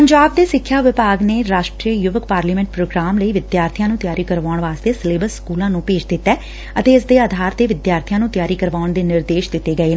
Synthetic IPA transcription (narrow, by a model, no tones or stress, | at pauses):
pəɲd͡ʒaːb̚d̪eːsɪkʰːjaːʋɪpaːɡneːɾaːʃʈɾiəjʊʋəkpaːɾliːmɛ̃ːɳʈ̚pɾoːɡɾaːmləiːʋɪd̪jaːɾt̪ʰijãːnũːt̪jaːɾiːkəɾʋaːʊɳʋaːst̪eːsɪleːbəɾsə̥kuːlãːnũːpeːd͡ʒd̪ɪt̪ːɛː | ət̪eːɪsd̪eːaːd̪ʱaːɾd̪eːʋɪd̪jaːɾt̪ʰijãːnũːt̪jaːɾiːkəɾʋaːʊɳd̪eːnɪɾd̪eːʃd̪ɪt̪ːeːɡəeː